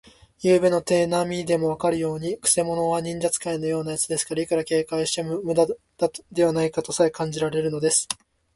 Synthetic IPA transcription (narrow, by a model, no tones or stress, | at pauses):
jɯːbe̞no̞t̪e̞ːnamʲid̪e̞mo̞β̞akaɾɯ̟jo̞ːɲ̟ikɯ̟̥se̞mo̞no̞βaɲ̟ĩɲd͡ʑat͡sɨ̥kaino̞jo̞ːnajat͡sɨd̪e̞sɨ̥kaɾaikaɾake̞ːkaiɕi̥t̪emmɯ̟d̪a | d̪̥ad̪e̞βanaikat̪o̞saekãɲ̟d͡ʑiɾaɾe̞ɾɯ̟no̞d̪e̞sɨ̥